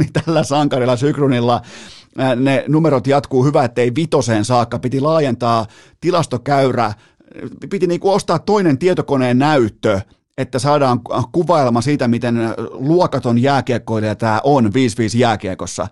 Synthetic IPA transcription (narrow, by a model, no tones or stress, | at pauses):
t̪ælːæsɑŋkɑrilːˑɑsykrunilːɑ | nenumeɾot̪jɑt̪kuːhyʋæet̪ːeiʋit̪oseːnsɑːkːɑpit̪ilɑːjent̪ɑː | t̪ilɑst̪okæyræ | pit̪iniːŋkuost̪ɑːt̪ːoinent̪iet̪okoneːnnæyt̪ːø | et̪ːæsɑːdɑːŋkuʋɑilmɑsiːt̪æmit̪enluokɑt̪onjæːkiekːoiliɑt̪æːʔonʋiːsʋiːsjæːkiekosːɑ̰